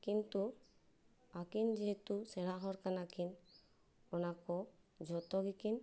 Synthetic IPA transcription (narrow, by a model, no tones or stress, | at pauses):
kint̪u | akind͡ʒeɦet̪useɽaɦɔɾkanakin | ɔnakɔ | d͡ʒɔt̪ɔɡikin